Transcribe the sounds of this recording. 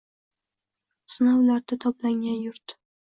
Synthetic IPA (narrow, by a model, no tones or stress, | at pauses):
sɨnawlaɾd̪at̪ʰɒplaŋʲanjʊɾt̪